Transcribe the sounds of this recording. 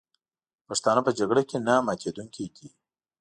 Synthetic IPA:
paʂt̪ɑnapəd͡ʒaɡɽakenamɑt͡ʃed̪uŋkiɡi

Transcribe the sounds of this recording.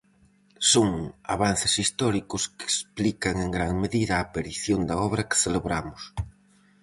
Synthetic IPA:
soŋa̰βan̟θɪ̥sist̪ɔɾikʊske̥splikɐŋeŋɡɾaŋmeðiðɐːpeɾiθjond̪ɐɔβɾɐke̥θeleβɾamʊs

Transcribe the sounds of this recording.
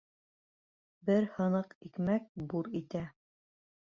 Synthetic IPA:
bɘɾhɤ̆nɤqikmæk̚buɾit̪æ

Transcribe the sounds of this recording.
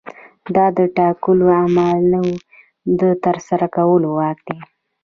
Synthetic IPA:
d̪ɑd̪əʈɑkuloamalnawu | d̪ət̪əɾsaɾakawəlowɑkd̪̥e

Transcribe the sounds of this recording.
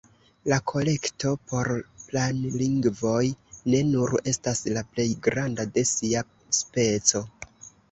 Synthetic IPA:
lakʰo̞le̞kto̞po̞ɾplanliŋɡvo̞jne̞nuɾe̞staslaple̞jɡɾandade̞sia | spe̞t͡so̞

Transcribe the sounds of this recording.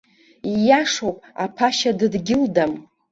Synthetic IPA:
ijaʂowpʼa̰pʰaʃadɨdɡʲɪldam

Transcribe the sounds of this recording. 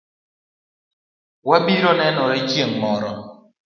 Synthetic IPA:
wabiɾɔnɛnɔɾɛt͡ʃjeŋmɔɾɔ

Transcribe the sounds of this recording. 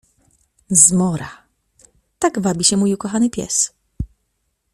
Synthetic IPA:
zmɔɾa | t̪aɡvabʲiɕɛmujukɔxanɘpʲjɛ̰s

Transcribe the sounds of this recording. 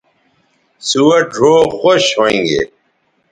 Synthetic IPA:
suwɐɖʱoːxoɕɦõŋɡḛ

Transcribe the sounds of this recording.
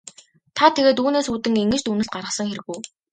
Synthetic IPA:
t̪ʰat̪ʰeɣeːt̪uːneːsuːt̪ɘ̆ŋeŋɡɘ̆t͡ɕt̪unɘ̆ɬt̪̚ɢarʁə̆sə̆ŋxeɾɘ̆ɣuj

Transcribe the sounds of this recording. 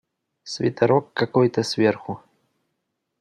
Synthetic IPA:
sʲvʲɪ̰t̪ɐɾɔkːakɔjt̪əsʲvʲerxʊ

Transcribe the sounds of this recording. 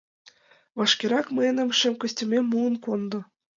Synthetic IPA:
ʋɑʂkʲeɾɑkmɘnʲɘ̆mʂɘ̆mkɘ̆sʲtʲɘ̆mʲemŭnkond̪ɤ̆

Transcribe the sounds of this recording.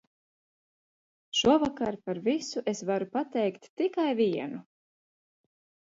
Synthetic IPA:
ʃuɔvakaɾpaɾvisuʔesvaɾupat̪ɛjkt̪ːikajviɛnu

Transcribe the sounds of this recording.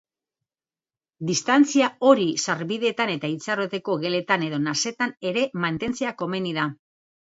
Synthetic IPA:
d̪ist̪ant͡siao̞ɾisaɾβiðe̞t̪ane̞t̪ait͡saro̞t̪e̞ko̞ɣe̞le̞t̪ane̞ðo̞nase̞t̪ane̞ɾe̞mant̪e̞nt͡seako̞me̞nið̞a

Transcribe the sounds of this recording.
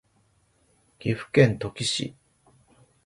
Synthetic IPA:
ɡ̥ʲiɸɯ̟̥kẽ̞nt̪o̞kʲiɕḭ

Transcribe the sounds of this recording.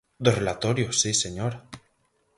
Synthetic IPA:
d̪orelat̪oɾjosːiseɲoɾa

